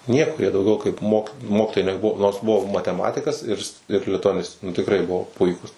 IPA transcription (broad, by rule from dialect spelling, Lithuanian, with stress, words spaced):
ˈnʲiɛkoː jiɛ dɐʊˈɡʲɛʊ kɐɪp moːk ˈmoːkʲɪtoːjɛɪ nʲɛˈbʊʋoː noːrs ˈbʊʋoː mɐtʲɛˈmɑːtʲɪkɐs ɪr ɪr lʲɪtʊɐˈnʲɪsʲtʲeː nʊ tʲɪkˈrɐɪ ˈbʊʋoː ˈpʊɪkuːs